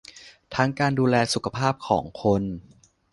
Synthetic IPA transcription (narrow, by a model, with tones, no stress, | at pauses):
t̪ʰa˦˥ŋkaː˧nduː˧lɛː˧su˨˩kʰa˧pʰaː˥˩p̚kʰɔː˩˦ŋkʰo˧n